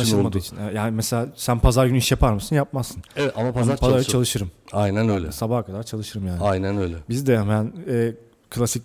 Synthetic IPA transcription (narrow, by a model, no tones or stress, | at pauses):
aʃlmad̪ut͡ʃʰineɛt̪jaːnimeselʲaːsænpʰazaɾɡynyiʃjapʰaɾmɯsɯnjap̚mazːɯnevɛt̪amapʰaaɾpaat͡ʃalˠɯʃɯɾɯmajnænøjlʲɛ̰sabahkʰad̪aɾt͡ʃʰalˠɯʃɯɾɯmjaːnajnænøjlʲɛbizd̪ɛamanɛː | kʰɯlʲˠasic